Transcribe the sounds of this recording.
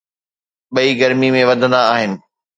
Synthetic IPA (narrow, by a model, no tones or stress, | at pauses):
ɓɐiɡɐɾmimẽʋɐd̪ʱə̃nd̪aːɦɪnɪ̆